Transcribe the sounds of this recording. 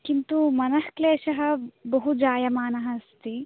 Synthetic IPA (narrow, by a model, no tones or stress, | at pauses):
kint̪umɐnɐhkleːʃɐɦɐ̆bɐɦud͡ʒaːjɐmaːnɐɦɐɐst̪i